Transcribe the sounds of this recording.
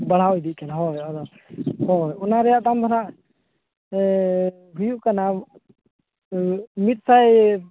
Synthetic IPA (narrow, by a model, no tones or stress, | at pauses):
bəɽ̤aɔd̪iʔ̚kɛnaɦɔjɔd̪ɔ | hɔjɔnaɾɛjaʔt̪amd̪ʰʱɔnaʔ | ɦujuʔkana | mit̪̚saj